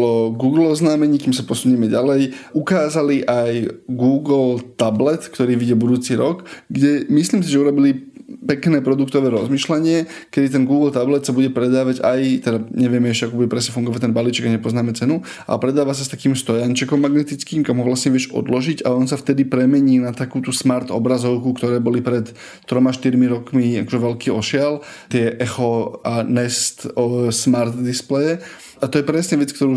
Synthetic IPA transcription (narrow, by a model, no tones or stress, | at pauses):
lɔɡuːɡl̩ˠɔznaːmɛɲiːkiːmsapɔsuɲiːmɛɟalɛjukaːzaliʔajɡuːɡlt̪ablɛt̪kt̪ɔɾiːʋiɟɛbud̪uːt͡siɾɔɡɡɟɛmisliːmsiʒɛuɾɔbilipɛknɛːpɾɔd̪ukt̪ɔʋɛːɾɔzmiːʃlaɲɪɛ | kɛd̪it̪ɛnɡuːɡl̩t̪ablɛt̪sabuɟɛpɾɛd̪aːʋaɟa̰jt̪ɛd̪aɲɛʋɪɛmɛɛʃɛakuːbuɟɛpɾɛsɲɛfuŋɡɔʋac̚t̪ɛnbaliːt͡ʃɛɡaɲɛpɔznaːmɛt͡sɛnu | a̰ɛpɾɛd̪aːʋasast̪akiːmst̪ɔjant͡ʃɛkɔmːaɡnɛt̪it͡skiːmkamɦɔʋlasɲɛʋɪɛʒɔ̰d̪lɔʒiɟa̰ɔnsaft̪ɛd̪ipɾɛmɛɲiːnat̪akuːt̪usmaɾt̪ɔ̰bɾazɔʊkukt̪ɔɾɛːbɔlipɾɛt̪ː | ɾɔmaʃt̪iɾmiɾɔkmiakɔʒɛʋɛlkiːɔʃɪalt̪ɪɛʔɛxɔanɛst̪ɔsmaɾt̪d̪isplɛjɛ | at̪ɔjɛpɾɛsɲɛʋɛt͡sk̚t̪ɔɾuː